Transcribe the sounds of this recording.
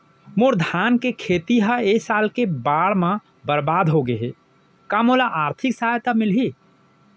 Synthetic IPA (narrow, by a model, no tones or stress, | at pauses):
moɾd̪ʱankekʰet̪iɦəesalkebaɽmã | bəɾbad̪ɦoɡeɦe | kamolaʔaːɾt̪ʰiksajt̪amilɦi